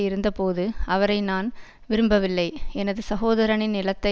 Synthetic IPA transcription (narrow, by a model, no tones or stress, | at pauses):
ɪɾɯnd̪ɐpoːðɯɐʋɐɾɐɪnaːn | ʋɪɾɯmbɐʋɪlːɐɪɛnɐðɯsɐɣoːðɐɾɐɳɪnːɪlɐt̪ːɐ